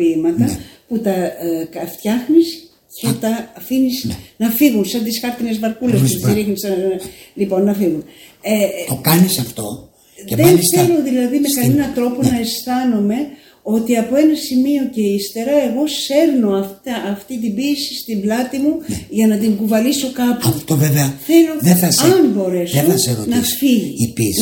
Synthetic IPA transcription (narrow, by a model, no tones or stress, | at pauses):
imɐt̪ɐput̪ɐkɐft̪çɐxnis | cet̪ɐːfinisnɐfiɣunsɐnt̪isxɐɾt̪inezvɐɾkulesut̪iɾixnisɐlipo̞nːɐfiɣunet̪okɐnisɐft̪o̞̰ | eðenθelo̞ðilɐðime̞kɐnenɐt̪ɾo̞po̞nɐesθɐnome̞ | o̞t̪iɐpo̞e̞nɐsimio̞ce̞ist̪e̞ɾɐe̞ɣo̞se̞ɾno̞ɐft̪ɐʔːft̪it̪̬ibiesi̥st̪iblɐt̪imuʝɐnɐt̪iŋɡuvɐliso̞kɐpɐft̪oveveɐθeloðeθɐsɐmbo̞ɾe̞sðoeɐseɾonɐfiʝiipis